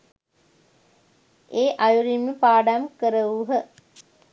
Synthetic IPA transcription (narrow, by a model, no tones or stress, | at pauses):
eːʔajuɾimːəpaːɖamkəɾəʋuɦə